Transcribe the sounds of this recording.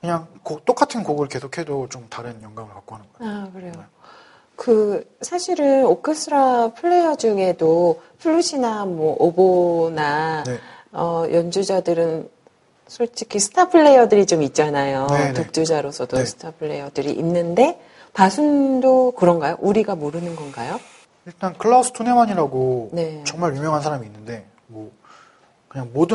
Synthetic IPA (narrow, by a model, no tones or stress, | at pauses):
kɯɲaŋkot͈ok͈atʰɯnkoɡɯɭke̞sʰokʰedot͡ɕomtaɾɯnjʌŋɡaŋɯɭkak̚k͈oɦanɯnɡʌakɯɾejo | kɯsʰaɕʰiɾɯnokʰɯsʰɯɾapʰɯɭːe̞jʌd͡ʑuŋe̞dopʰɯɭːuɕʰinamwʌʔobona | ʌjʌnd͡ʑud͡ʑadɯɾɯn | sʰʌɭt͡ɕ͈ʰikʰisʰɯ̥tʰapʰɯɭːe̞jʌdɯɾit͡ɕomit̚t͡ɕ͈anajotok̚t͡ɕ͈ud͡ʑaɾosʰʌdosʰɯ̥tʰapʰɯɭːe̞jʌdɯɾḭʔinːɯnde̞ | pasʰundokɯɾʌnɡajo̰ʔuɾiɡamoɾɯnɯnɡʌnɡajo | iɭt͈ankʰɯɭːʌsʰɯ̥tʰone̞maɲiɾaɡone̞t͡ɕʌŋmaɾjumjʌŋɦansʰaɾamiːnːɯnde̞ | mʌ | kɯɲaŋmodɯ